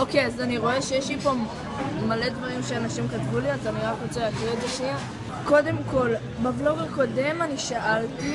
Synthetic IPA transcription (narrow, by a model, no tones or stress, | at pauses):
okeazaniʁo̞e̞ʃejeʃlipo | male̞dvaʁimʃeanaʃimkat̪vuliazaniʁakʁot͡selakʁitzeʃnia | ko̞de̞mko̞l | bavloɡeko̞de̞maniʃaʔalt